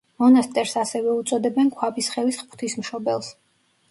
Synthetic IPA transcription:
mɔnast̪ʼɛɾsasɛvɛut̪sʼɔd̪ɛbɛnkʰwapisχɛlisχpʰt̪ʰismʃɔbɛ̰lˠs

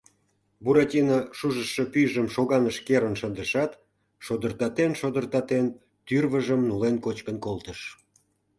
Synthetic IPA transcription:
buɾɑtʲinɑʃuʒəʃːəpyʒəmʃoɣɑnəʃkeɾənʃənd̪əʃɑt̪ | ʃod̪ərt̪ɑt̪enʃod̪ərt̪ɑt̪en | t̪yrβəʒəmnulenkot͡ɕkənkolt̪əʃ

